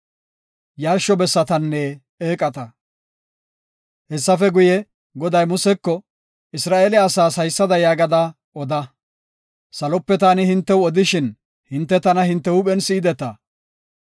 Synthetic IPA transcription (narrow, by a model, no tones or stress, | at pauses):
jaːɾʃːɔbɛsːɐt̪ɐnːɛ | eːkʼɐt̪ɐ | hɛsːɐfɛɡʊjɛ | ɡɔd̪ɐjmʊsɛkːɔ | ɪsɾaːʔeːlɛɐsaːshɐjsːɐd̪ɐjaːɡɐd̪a | ɔd̪ɐ | sɐlɔpːɛt̪aːnɪhɪnt̪ːɛwɔd̪ɪʃɪn | hɪnt̪ːɛt̪ɐnɐhɪnt̪ːɛʊpɛnsiːd̪ɛt̪ɐ